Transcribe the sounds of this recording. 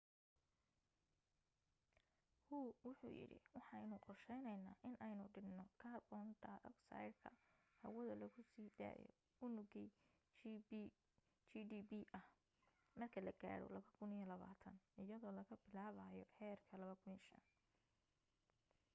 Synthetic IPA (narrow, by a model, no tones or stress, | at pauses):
huːwʊħṵːjɪ̰ɽɪ̰wɑħɑɛjnʊqɔrʃɛjnɛjna̰ːʔɪnɛjnʊɖɪnnɔkʰaːrbɔnd̪ɐʔɔksa̰jdkʰɐ̰ | hɐwɐðɐlɐɣʊsiːd̪a̰ːjɔ̰ | ʊnʊɣɛj | t͡ʃiɖiːbiʔɐh | mɐrkʰɐlɐɡa̰ːɽɔ̰lɐβɐkʰʊnijɔlɐβa̰ːt̪ʰɐnʔɪjɐðɔːlɐɣɐbɪlaːβajɔhɛːrkʰɐlɐβɐkʰʊniːʃɐ̰n